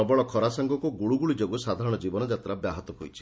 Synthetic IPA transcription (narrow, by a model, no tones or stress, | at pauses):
ɔbɔɭɔkʰɔɾasaŋɡɔkuɡuɭuɡuɭid͡ʒoɡusad̪ʱaɾɔɽ̃ɔd͡ʒibɔnɔd͡ʒat̪ɾabjaɦɔt̪ɔɦojt͡ʃʰi̥